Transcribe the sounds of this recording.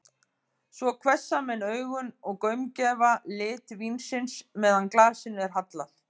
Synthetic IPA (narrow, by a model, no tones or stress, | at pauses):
svɔkʰvɛsːamɛnœːɥɣʏnɔɣkœɥmcɛːvalɪːt̪vinsɪnsmɛːðanklaːsɪnʏɛɾ̥ɦat̪la̰l̥